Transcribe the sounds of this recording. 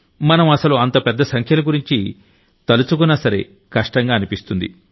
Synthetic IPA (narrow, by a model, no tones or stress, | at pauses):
mɐnɐmɐsɐluɐnt̪ɐpɛd̪ːɐsɐŋkʰjɐlɐɡuɾiɲt͡ʃi | t̪ɐlut͡ʃuk̬unːɐsɐɾḛ | kɐʂʈɐŋɡaːnipist̪und̪ḭ